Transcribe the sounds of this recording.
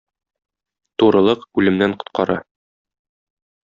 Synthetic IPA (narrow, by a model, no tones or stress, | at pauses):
t̪uɾɤ̆lˠɤqʉlɘ̆mnæɴqŏ̥t̪qɑɾɑ̰